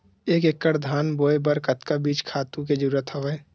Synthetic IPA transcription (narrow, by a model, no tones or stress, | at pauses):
eːkekːəɾd̪ʱaːnboːebəɾkət̪kabiːt͡ʃkʰaːt̪ũked͡ʒəɾuːɾət̪ɦəʋɛː